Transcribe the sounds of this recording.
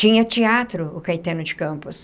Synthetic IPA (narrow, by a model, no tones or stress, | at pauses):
t͡ʃĩɲɐt͡ʃiat̪ɾʊʊkajt̪ẽnʊd͡ʒɪkɐ̃mpʊs